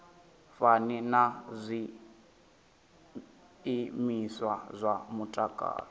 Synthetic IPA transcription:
faninazʷi | miswazʷamutʼakʼa̰ːlɔ

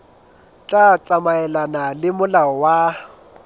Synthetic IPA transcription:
t͡ɬʼat͡sʼamaɛlanalɪmʊlaɔwa

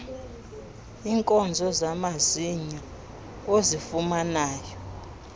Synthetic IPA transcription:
iŋkʼɔnd͡zʱɔzamaziɲa | ozifumanaːjɔ

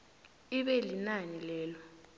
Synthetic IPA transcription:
iɓɛlinanilɛːlɔ

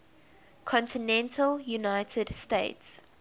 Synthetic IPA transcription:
kʰɔ̃ntɪnɛ̃ntʰəlˠjunaɪtʰədsteɪts

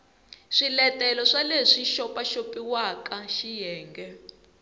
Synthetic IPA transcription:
ʂilɛtɛlɔʂaleʂiʃɔpaʃopiwakaʃijɛːŋɡɛ

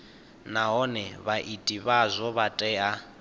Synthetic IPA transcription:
naɦɔnɛβaʔitʼiβazʷɔβatʼɛːa

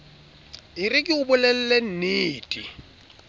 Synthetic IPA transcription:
ɪrɪkʼɪʊbʊlɛl̩lɛn̩neːtʼi

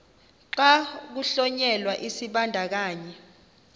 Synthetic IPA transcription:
ǁak̬uɬɔɲɛlwaʔisiɓandʱak̬aːɲɛ

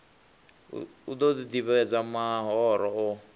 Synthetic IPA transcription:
ṵud̪ɔd̪id̪iβɛɛd͡zamaɦɔːɾɔɔ

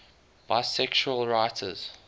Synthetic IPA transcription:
b̥aɪsɛkʃuəlˠɹaɪtʰə̰z̥

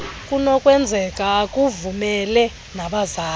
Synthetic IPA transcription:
kʼunɔkʼwɛnd͡zʱɛkʼaːkʼuvumɛlɛ | naɓazaː

